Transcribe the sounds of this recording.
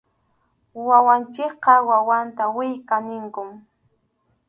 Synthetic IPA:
wawant͡ʃɪkqɑwawant̪awɪjkanɪŋkʊm

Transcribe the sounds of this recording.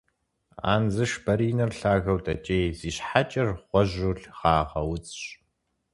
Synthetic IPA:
a̰ːnzɨʃbɐɾiːnɐrɬaːɣɐwtʼɐ̰t͡ʃʼeːjziːɕħat͡ʃʼɐrχʷɔʑʊɬχɑːʁɐ̰wʊt͡sʼɕ

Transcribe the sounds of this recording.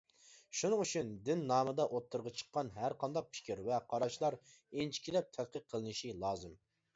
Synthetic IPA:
ʃunɨŋut͡ʃʰynd̪ɪnːɑːmɨd̪ɑʔot̪ʰːuɾʁɑt͡ʃʰə̥qːɑnɦæɾqʰɑnd̪ɑq̚pʰɪ̥kʲʰiɾvɛqʰɑɾɑʃlˠɑɾ | ent͡ʃʰi̥kʲid̪lɛp̚t̪ʰɛt̪̚qəq̚ʰːəlˠɨnɨʃilˠɑːzɨm

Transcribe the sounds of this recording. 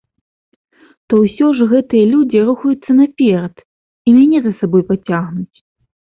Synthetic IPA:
t̪ɔwsʲɔʐɣɛt̪ɨjɐlʲud͡zʲiɾuxɐjut̪sːɐnɐpʲɛɾɐt̪ | imʲanʲɛzɐsabɔjpat͡sʲaɣnut͡sʲ

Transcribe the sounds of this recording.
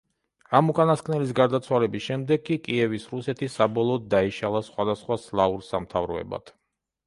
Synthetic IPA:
amukʼanaskʰʼnɛlis̬ɡaɾd̪at̪sʰwalɛbisʃɛmd̪ɛɡːikʼiɛvisɾusɛt̪ʰisabɔlˠɔːd̪̚dːaiʃalˠasχwad̪asχwaslˠauɾsamt̪ʰavɾɔɛ̰ba̰d̪̥

